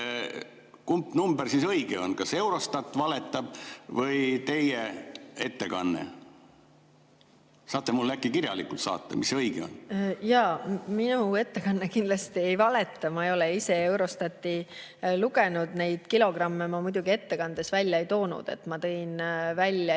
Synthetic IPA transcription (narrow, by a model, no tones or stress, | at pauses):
kumpːnumbersisɤiɡḛo̞̰nkɑse̞wɾo̞st̪ɑt̪ːˑvɑlet̪ːˑɑb̥vɤjt̪e̞jee̞t̪ːe̞kɑ̰nːḛ | sɑːt̪ˑːemulːækːˑikiɾjɑ̰likːˑult̪sɑ̰ːt̪ˑːḛmisɤjɡ̥ḛo̰njɑːminue̞t̪ːe̞kɑnːekind̪̥lɑst̪ie̞jvɑle̞t̪ːˑɑmɑejo̞leise̞ewɾo̞st̪ɑt̪ːˑiluɡe̞nud̪ne̞jd̪̥kilo̞ɡ̥rɑmːe̞mɑmujd̪uɡie̞t̪ːe̞kɑnd̪̥e̞svælʲːjɑejt̪o̞ːnṵd̪̥e̞̰t̪ːmɑt̪ɤ̞jnvælʲːjɑ